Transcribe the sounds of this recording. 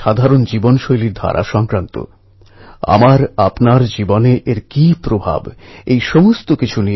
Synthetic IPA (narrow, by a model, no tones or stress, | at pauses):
ad̪ʱaɾond͡ʑibonʃojliɾd̪ʱa̰ɾʔa̰ʃɔŋkɾant̪o̰ | a̰maɾapnaɾd͡ʑiboneʔeɾkipɾobʱa̰bejʃɔmost̪okit͡ɕʰuni